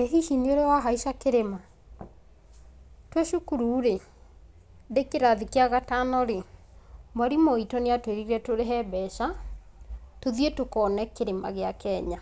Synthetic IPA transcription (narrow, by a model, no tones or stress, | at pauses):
ɛɦiʃineoɾewaɦaiʃakeɾema | tweʃukuɾuːɾe | dekeɾaðikeaɣatanɔɾe | mwaɾimoitɔneatweɾiɾɛtoɾeɦɛbɛʃa | toðietokɔːnɛkeɾema̰ɣeakɛɲa